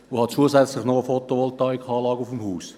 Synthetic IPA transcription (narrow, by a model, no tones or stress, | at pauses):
ʊhɑt͡suəzɛt͡slɪχnoəfot̪oʋɔltɑikʰɑːlɑːɡəufmhuːs